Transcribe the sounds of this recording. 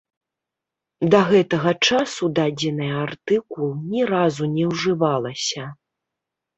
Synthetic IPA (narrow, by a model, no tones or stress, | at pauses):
d̪ɐɣɛt̪ɐɣɐt͡ʂasud̪ad͡zʲɛnɨjɐart̪ɨklulˠnʲɛɾazunʲɛwʐɨvalˠɐsʲɐ